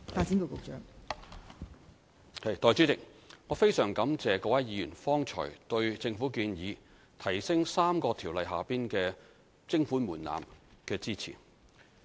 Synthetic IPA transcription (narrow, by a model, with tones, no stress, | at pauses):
faː˧t̚t͡si˨˥nko˨˧wko˨˧k̚t͡ʃœː˨˥ŋ | hɐ˨˩jt̪ɔː˨˧jt͡ʃyː˨˥t͡sɪ˨k̚ŋɔː˨˧fe˥jsœː˨˩ŋkɐ˨˥mt͡sɛː˨kɔː˧˥wɐ˨˥jiː˨˧jyː˨˩nfɔː˥ŋt͡ʃʰɔ̰ː˨˩jt̪ɵ˧ɥt͡sɪ˧ŋfu˨˥kiː˧njiː˨˧ | t̪ʰɐ˨˩jsɪ˥ŋsaː˥mkɔː˧t̪ʰiː˨˩wlɐ˨jɦa̰ː˨piː˥nkɛː˧ | t͡sɪ˥ŋfuː˨˥nmuː˨˩nla̰ː˨mkɛː˧t͡siː˥t͡sʰḭː˨˩